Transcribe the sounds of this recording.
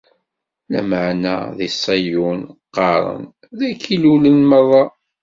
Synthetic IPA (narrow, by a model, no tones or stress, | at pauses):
læ̰məʕnæ̰ðisˤɑjunqːɑɾˤə̰n | ðækːilulənməðˤɑ